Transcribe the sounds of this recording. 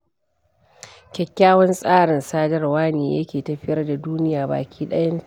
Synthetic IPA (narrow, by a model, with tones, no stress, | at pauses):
kʲɛ˨kʲːaː˦wɐ˦nsʼaː˦ɽɪ˨nsaː˦dɐ˦rwaː˦neː˨jɐ̰˦kʲeː˨tɐ˨ɸɪ˦jɐ˦rda˨duː˦nɪ˦jaː˨ba̰ː˨kʲʰiː˦ɗɐ˦jɐ˦n˦